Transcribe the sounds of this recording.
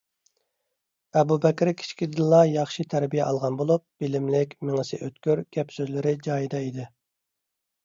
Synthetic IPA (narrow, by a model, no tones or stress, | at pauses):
ɛbubɛkʲɾkʲʰi̥t͡ʃʰkʲid̪ɨlˠːɑjɑχʃit̪ʰæɾbijɛʔɑlˠʁɑnbolˠup̚b̥ɪlɪmlɪkʲmeŋɨsɪ̰ʔøt̪kʲyɾɡʲɛpsøzlɪɾɪd͡ʒɑːjid̪ɑid̪ɪ